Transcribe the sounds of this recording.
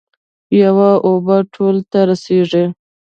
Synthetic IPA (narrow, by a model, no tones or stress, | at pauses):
jawaʔobaʈʰolt̪aɾaseʐi